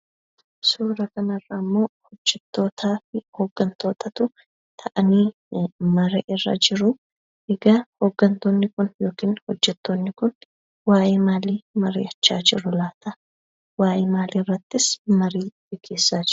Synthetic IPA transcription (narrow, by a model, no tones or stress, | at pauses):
suːɾɐkɐnɐrːɐmːo̞ːhɔd͡ʒːɛt̪ːo̞ːt̪ʰaːfɪhoːɡːɐnt̪o̞ːt̪ɐt̪ʊ | t̪ʰɐʔɐniː | mɐɾɛʔɪrːɐ̰d͡ʒɪɾʊ | ʔɛɡɐhoːɡːɐnt̪onːɪkʊnjo̞ːkiːnhɔd͡ʒːɛt̪ːonːɪkʊn | waːjeːmaːliːmɐɾɪ̰ɐt͡ʃːaːd͡ʒɪɾʊlaːt̪ɐ | waːjemaːliːrːɐt̪ːɪsmɐɾiːbɪkʰeːsːaːd͡ʒɪɾ